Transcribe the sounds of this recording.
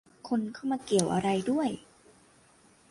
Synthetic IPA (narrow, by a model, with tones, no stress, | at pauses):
kʰo˧nkʰa˥˩wmaː˧ki˨˩əwʔa˧ɾa˧jdu˥˩əj